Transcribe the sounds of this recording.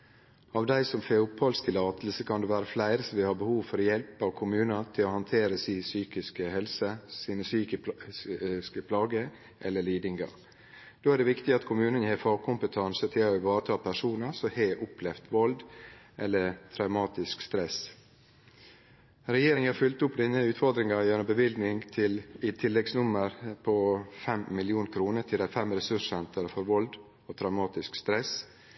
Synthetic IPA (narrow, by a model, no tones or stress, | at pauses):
ɑːʋd̪æɪsɔmfeʊpʰhɑlst̪ʰɪlɑːt̪əl̩səkʰɑnd̪eːʋæːɾəflæɪɾəsəʋɪhɑːbəhuːʋfɔɾɔjɛlpəɑʋkʰʊmʉːnɑt̪ʰɪloːhɑnt̪ʰeːɾəsiːsyːkɪskəhɛlsəsiːnəsyːk | skəpʰlɑːɡə | ʔɛlːəɭiːd̪ɪŋɡɑ̰ɾ | d̪̥oːæɖɛʋɪkt̪ɪɑt̪kʰʊmʉːnənjeːfɑːɡkʰʊmpət̪ʰɑnsət̪ʰɪlɔɪʋɑːɾət̪ʰɑːpʰæʂuːnəsɔheːʔʊpʰlɛft̪ʋɔld̪ʔɛlːəɾt̪ʰɾɑʉmɑːt̪ɪskst̪ɾɛs | ɾɛjeːɾɪŋhɑɾfʏlt̪ʊpːd̪ɪnːəʉːt̪fɔɾd̪ɾɪŋɑjænʊmbəʋɪlɡ̪nɪŋt̪ʰɪlɪt̪ʰɪlːɛɡsnʊmːəɾpʰɔfɛmːɪljuːnkʰɾuːnəʈʰɪld̪æɪfɛmɾɛsʉʂɛnt̪ʰəɾəfɔɾʋɔld̪ | ot̪ʰɾɑʉmɑːt̪ɪskst̪ɾɛs